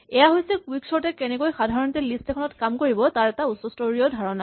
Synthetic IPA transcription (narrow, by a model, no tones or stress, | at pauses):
ɛjaɦojsɛkwiksɔɹtɛkɛnɛkojxadʱaɹɔntɛlistɛkʰɔnɔtkamkoɹibɔtaɹɛtausɔstoɹiɔdʱaɹɔna